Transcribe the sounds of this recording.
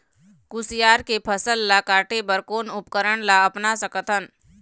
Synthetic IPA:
kʊsɪjaːɾkepʰəsəlːakaːʈʰebəɾkoːnʊpkəɾəɽ̃laəpnasəkət̪ʰən

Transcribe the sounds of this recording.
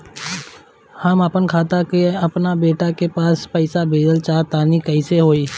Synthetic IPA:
həməpənkʰaːt̪akeɐpnabeːʈakepaːspəɪsabʱeːd̪əlt͡ʃaːt̪aːnikəɪseɦoːiː

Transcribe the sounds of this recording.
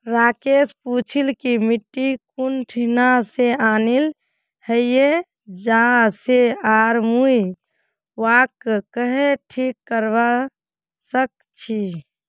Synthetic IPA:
ɾakesput͡ʃʰilkimiʈːikunʈʰinaseaːnil | həjje | d͡ʒaseaɾmui | wakːkəɦeʈʰikːəɾba | sək̚ | t͡ʃʰi

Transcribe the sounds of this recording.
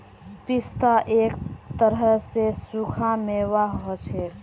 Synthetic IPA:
pist̪aʔekt̪əɾəsesukʰameʋaɦɦot͡ʃʰɛ

